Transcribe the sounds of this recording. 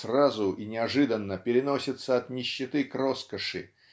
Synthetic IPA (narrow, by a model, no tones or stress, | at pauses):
srazʊinʲɪɐʐɨd̪ənːəpʲɪɾʲɪno̞sʲɪt̪səɐt̪nʲɪɕːɪt̪ɨkro̞skəʂɨ̰